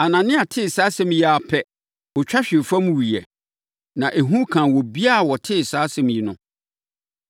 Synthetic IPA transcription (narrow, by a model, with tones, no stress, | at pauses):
a˨nã˨nɪ̃˦a˨tʰɪ˦˨saː˦sɛ̃˦m˦ji˦a˦pʰɛ˦ | wɔ˨t͡ɕᶣa˦ɕᶣɪ˨o˨fã˦m̃˦wi˨ɛ̰˨ | nã˨ʔe˨ɦũ˦kʰã˨wɔ˨bi˦a˦˨wɔ˨tʰɪ˦˨saː˦sɛ̃˦m˨ji˨nʊ̃˦